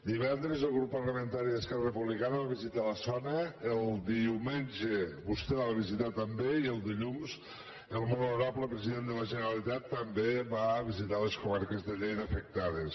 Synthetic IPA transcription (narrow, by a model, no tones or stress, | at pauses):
d̪iβɛnd̪ɾəzəlˠɣɾupːərləmənt̪aɾiðəskɛrərəpuβlikanəβaβizit̪aləsɔnəːlˠd̪iumenʲʒeβust̪ɛaβaβizit̪at̪əmbeiəlˠd̪iʎumz | əlˠmɔluɾabləpɾəziðend̪ələʒənəɾalit̪at̪ːəmbeβaβizit̪aleskumaɾkəzðəʎejt̪əfək̚t̪aðes